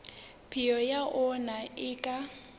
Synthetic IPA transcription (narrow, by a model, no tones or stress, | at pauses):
pʰijɔjaʔʊnaɪkʼa